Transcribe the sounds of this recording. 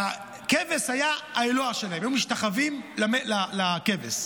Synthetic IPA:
a | keveshajaaeloaʃelaemjumiʃtaχavimlamelalakeves

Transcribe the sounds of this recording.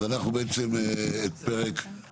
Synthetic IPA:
anaχnubeet͡semeet̪pe̞ʁek

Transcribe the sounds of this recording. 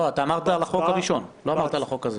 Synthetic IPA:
oat̪aːmaʁt̪alaχokaʁiʃo̞nloamaʁt̪alaχo̞kaze

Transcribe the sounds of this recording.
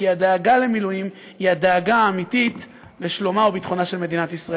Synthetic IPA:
iad̪eːɡale̞milujim | hiad̪eːɡaːmitit̪ | leʃlomaobit̪χo̞naʃe̞lme̞d̪inat̪isʁa

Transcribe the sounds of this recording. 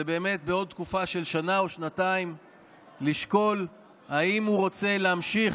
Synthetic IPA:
ebe̞ːme̞t̚be̞o̞d̚t̪̚kufaʃe̞lʃanaoʃnataim | liʃko̞l | haimhuʁo̞t͡se̞leamʃiχ

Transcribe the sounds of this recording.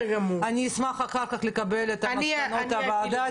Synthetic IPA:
ɡamuaniːsmaχaχaʁkaχle̞kabelet̪ant̪avaːd̪a

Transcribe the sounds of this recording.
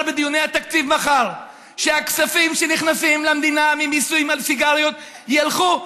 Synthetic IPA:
lbed̪ijonejhat̪akt͡sivmaχal | ʃeaksafimʃeniχnasimlamd̪inamimisujmalfiɡaʁjot̪ | jalχu

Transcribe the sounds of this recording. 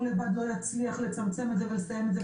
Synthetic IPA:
lebad̪lo̞jat͡sliaχle̞t͡samt͡semed̪zevelesajemed̪ze

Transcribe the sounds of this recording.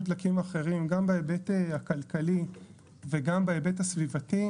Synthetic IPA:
blakimaχe̞ʁimɡambeebeteakalkali | veɡambeebetasvivati

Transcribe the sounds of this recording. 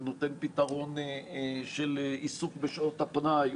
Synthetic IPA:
not̪enpitaʁo̞n | ʃelisukbeʃoʁt̪hapnaj

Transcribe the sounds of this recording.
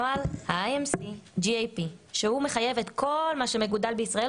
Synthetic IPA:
alhaajemsid͡ʒiejpiʃehume̞χaje̞vet̪kʰo̞lmaʃe̞meɡudalbeisʁae

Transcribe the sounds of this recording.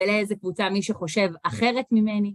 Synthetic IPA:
eleezekvut͡samiʃeχo̞ʃe̞vaχe̞ʁetmime̞ni

